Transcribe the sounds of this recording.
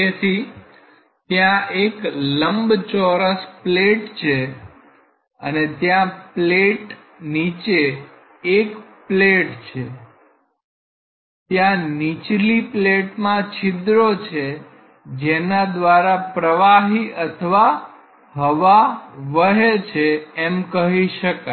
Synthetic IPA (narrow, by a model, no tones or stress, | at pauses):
esi | t̪jãekləmbt͡ʃɔɾəspleʈt͡ʃʰe | ə̰net̪jãpleʈ | nit͡ʃeː | kpleʈt͡ʃʰe | t̪jãnit͡ʃlipleʈmãt͡ʃʰɪd̪ɾot͡ʃʰe | d͡ʒenad̪ʋaɾapɾəʋaɦiʔət̪ʰʋa | ɦəʋaʋəɦet͡ʃʰeːmkəɦiʃəka